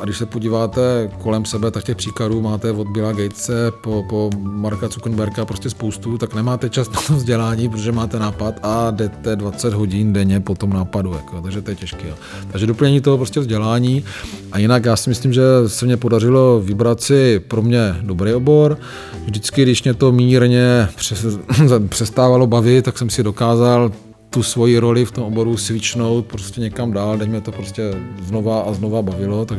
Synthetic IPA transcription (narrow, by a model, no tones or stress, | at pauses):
ʔaɡdɪʃsɛpoɟiːvaːt̪ɛko̞lɛmsɛbɛt̪ak̚cɛxpr̥iːkladuːmaːt̪ɛvo̞d̪̚bɪlaːɡɛjt̪t͡sɛpopomaɾkat͡sukn̩bɛɾkapɾoscɛspowst̪ut̪aknɛmaːt̪ɛt͡ʃast̪nat̪omvzɟɛlaːɲiːpɾot̪oʒɛmaːt̪ɛnaːpat̪adɛt̪ɛdvat͡sɛd̪ɦo̞ɟɪndɛɲɛpo̞t̪o̞mnaːpaduja̰kojot̪aɡʒɛt̪ojɛcɛʃkijoː | t̪aɡʒɛdopl̩ɲɛɲiːt̪oɦopɾo̞scɛvzɟɛlaːɲiː | ʔajɪnakjaːsɪmɪslimʒɛsɛmɲɛpo̞dar̝ɪlo̞vɪbɾat̪sɪpɾomɲɛdo̞bɾɛjʔobo̞ɾ | vʒdɪt͡skɪɡdɪʃmɲɛt̪o̞miːɾɲɛprɛ | pr̝̥ɛst̪aːvalo̞bavɪt̪̚t̪ːaksɛmsɪdo̞kaːzal | t̪usvo̞jiɾo̞lɪft̪omobo̞ɾusvɪt͡ʃno̞wt̪̚pɾoscʲɛɲɛkamdaːldɛmɲɛt̪o̞pɾo̞scɛznovaʔaznovabavɪlo̞t̪aɡ